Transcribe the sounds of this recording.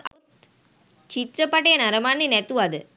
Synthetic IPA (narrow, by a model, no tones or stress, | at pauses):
t̪ | t͡ʃit̪ɾɐpːɐʈɐjɐnɐɾɐmaːninɛt̪ːuɐd̪ɯ